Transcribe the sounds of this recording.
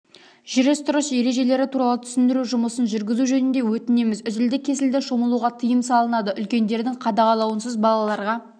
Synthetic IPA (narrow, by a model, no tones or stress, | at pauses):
ʒ̥ɪɾɪst̪ʰʊɾəʃje̞ɾe̞ʒe̞le̞ɾɪt̪ʰuɾɑlˠət̪ʰʏ̥sɪnd̪ɪɾuʒʊməsənʒʏɾɡʲɪzuʒɵnɪnd̪e̞wɵt̪ɪne̞mɪzʏzɪld̪ɪkʲʰːe̞sɪld̪ɪʃo̞məlˠuʁɑt̪ʰəjəmsɑlˠənɑd̪əʔʏlkʲe̞nd̪e̞ɾd̪ɪŋqʰɑd̪ɑʁɑlˠɑwənsəzbɑlˠɑlˠɑɾʁɑ